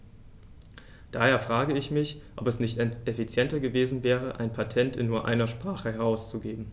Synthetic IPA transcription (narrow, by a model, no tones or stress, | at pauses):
d̥aːheːɐfʁ̥aːɡəɪçmɪçʔɔpɛsnɪçtʔefit͡sjɛntɐɡəveːzn̩vɛːʁəʔa̰ɪnpʰatʰɛntɪ̰nːuːɐʔa̰ɪnɐʃpʁ̥aːχəɦɛʁ̞aʊst͡suɡeːbm̩